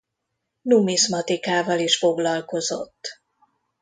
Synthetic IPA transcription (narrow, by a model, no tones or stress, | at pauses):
numismɒt̪ikaːvɒliʃfo̞ɡlɒlko̞zo̰t̪ː